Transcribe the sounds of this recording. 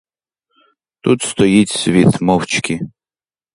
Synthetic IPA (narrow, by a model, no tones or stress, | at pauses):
t̪ut̪st̪ɔjit͡sʲsʲvʲit̪mɔwt͡ʃkʲʰi